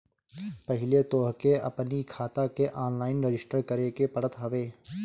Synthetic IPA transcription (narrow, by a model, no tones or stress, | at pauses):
pɐɦɪlet̪oːɦkeɐpnikʰaːt̪akeʔaːnlaːɪnɾed͡ʒɪsʈəɾkəɾekepɐɽət̪ɦɐʋeː